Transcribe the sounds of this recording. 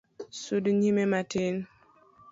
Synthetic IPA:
sudɲimematen

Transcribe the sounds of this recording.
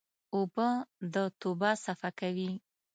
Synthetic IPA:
obəd̪ət̪obasafakawi

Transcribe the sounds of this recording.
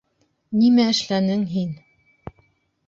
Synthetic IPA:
nimæɘ̆ʃlænɘŋɦin

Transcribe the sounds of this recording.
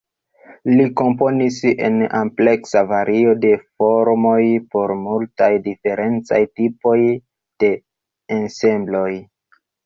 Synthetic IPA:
liko̞mpo̞nise̞̰na̰mple̞ksavaɾʔio̞de̞fo̞ɾmo̞jpo̞ɾmultajdife̞ɾʔe̞nt͡sa̰jtipo̞j | d̥e̞ː | nse̞mblo̞j

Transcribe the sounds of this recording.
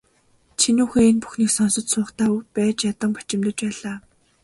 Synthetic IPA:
t͡ɕʰinuːxeenpu̥xniːksɔnsɞ̆t͡ɕ̪sʊːχt̪ʰæːupæːt͡ɕjat̪ə̆mpḁt͡ɕɪ̆mt̪ə̆t͡ɕpæːɮaː

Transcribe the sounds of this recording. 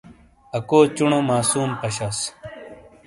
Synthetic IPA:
ɐkoːt͡ɕuɳomaːsuːmpɐɕɐs

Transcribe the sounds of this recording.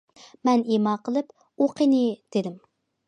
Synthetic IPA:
mɛnemɑːqʰəlˠɨp | oqʰinɨd̪̥ɪd̪ɪm

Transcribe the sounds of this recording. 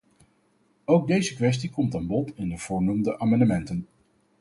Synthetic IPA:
owɡ̚dejzəkʋɛs̬tikɔmtaːnbɔtɪndəv̥ʊːɹnumdəʔaːmɑndəmɛntən

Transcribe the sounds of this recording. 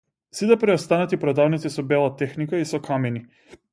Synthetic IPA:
sit̪ɛpɾɛɔst̪anat̪ipɾɔd̪avnit̪sisɔbɛlˠat̪ɛxnikaisɔkʰamɛni

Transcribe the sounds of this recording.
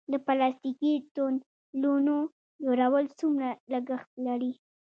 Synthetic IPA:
d̪əpalɑst̪ikit̪on | lono | d͡ʒoɾawəlt͡sumɾaləɡəxt̪̚laɽi

